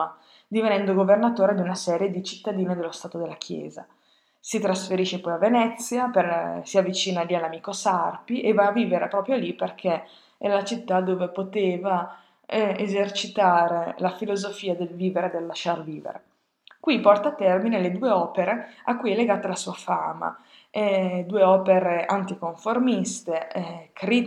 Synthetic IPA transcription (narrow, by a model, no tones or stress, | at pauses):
a | d̪ivenɛnd̪oɡovernat̪oːɾed̪iunasɛːɾjed̪it͡ʃi̥t̪ːad̪iːned̪elost̪aːt̪od̪elːak̟ʰjɛ̰ːza̰ | sit̪ɾasfeɾiʃepɔjavːenɛt̪sːjapesiavːit͡ʃiːnalialːamiːkosarpiʔevaːvːiːveɾepɾɔːpɾjoliperkʰe | ɛ̰lat͡ʃit̪ːad̪oːvepot̪eːva | ezert͡ʃit̪aːɾelafilozofiːad̪elviːveɾed̪elːaʃːarviːvḛɾḛ | kwipɔrt̪aːt̪ːɛrmineled̪uːeɔːpeɾeakːujɛlːeɡaːt̪alasuːafaːma̰ | ɛd̪uːeɔːpeɾeʔant̪ikoɱformist̪ekɾi